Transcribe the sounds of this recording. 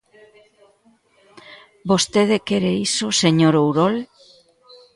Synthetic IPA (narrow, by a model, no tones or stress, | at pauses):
bost̪eðekeɾeisoseɲoɾowɾɔl